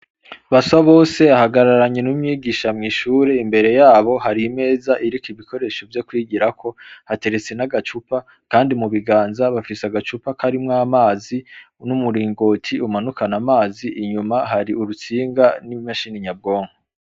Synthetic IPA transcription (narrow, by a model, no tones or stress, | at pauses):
βasaβo̞ːse̞ahaɡaɾaɾaɲenumɲiːɡiʃamŋiːʃuːɾeimbe̞ɾe̞jaːβo̞haɾime̞ːzaʔiɾikiβiko̞ɾe̞ʃo̞vjo̞kwiːɟiɾakʰo̞hate̞ɾe̞t͡se̞naɡat͡ʃupa | kaːndimuβiɡaːnzaβafisaɡat͡ʃupakʰaɾimŋaːmaːzi | numuɾiːŋɡo̞ːtʰiumanukanamaːziʔːɲumahaɾiuɾut͡siːŋɡanimaʃiniɲab̚ɡo̞ːŋho